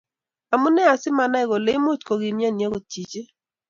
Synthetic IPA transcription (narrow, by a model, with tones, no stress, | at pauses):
a˨mu˦nɛ˦a˨sɪ˦ma˨na˦ɛ˨ɣo˨le˦mo˦˨tko˨ɡi˨mja˦˨nja˦ɣo˨ti˨t͡ʃe˦